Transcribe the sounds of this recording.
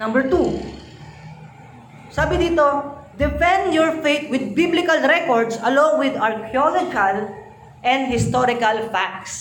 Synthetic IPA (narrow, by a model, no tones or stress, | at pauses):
nɐ̃mbɛɹt̪u | saːbɪd̪iːt̪od̪ɛfɛ̃nd̪jɔɹfejt̪̚wɪd̪̚biblɪkɐlɾɛkɔɹd̪sɐlõŋwɪd̪ɐɹkʰjolod͡ʒkal | ʔɛ̃nd̪̚hɪst̪ɔɾɪkɐlfak̚s